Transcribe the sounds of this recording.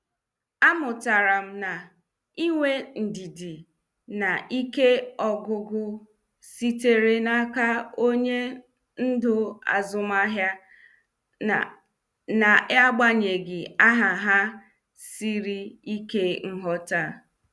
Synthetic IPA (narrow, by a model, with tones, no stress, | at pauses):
a˦mʊ˨ta˨ɾa˨m̩˦na˨ | i˦ŋʷe˦n̩˨di˨di˨ | na˨ʔi˦ke˦ɔ˨ɡʊ˨ɡʊ˦ | si˦te˨ɾe˨na˦ka˦o˦ɲe˦ | n̩˦dʊ˦a̰˨zʊ˨ma˦ɦja˦ | na˨ja˦ɡ͡ba˦ɲe˨ɡɪ˨a˦ɦa˨ɦa˦ | si˦ɾi˦i˦ke˦ŋ̩˦ɦɔ˦ta˦˨